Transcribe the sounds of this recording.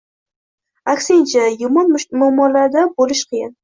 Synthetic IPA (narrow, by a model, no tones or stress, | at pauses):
akʲsɪnt͡ʃʰajʊmɒnmʊmːɒlaɾd̪abolɪʃqʰɨjɪn